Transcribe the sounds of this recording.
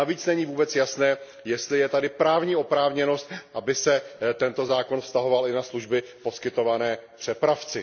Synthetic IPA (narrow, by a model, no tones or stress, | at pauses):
naviːt͡snɛɲiːvuːbɛt͡sjasnɛː | jɛst̪lɪjɛt̪adɪpɾaːvɲiːʔo̞pɾaːvɲɛno̞st̪̚ʔabɪsɛt̪ɛnt̪o̞zaːko̞nfst̪aɦo̞valʔɪnasluʒbɪpo̞skɪt̪o̞vanɛːpr̥ɛpɾaft͡sɪ